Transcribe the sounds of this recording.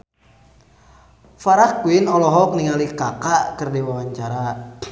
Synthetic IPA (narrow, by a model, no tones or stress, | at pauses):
faɾakuinɔlɔɦɔk̚niŋalikakakɨrdiwawaɲt͡ʃaɾa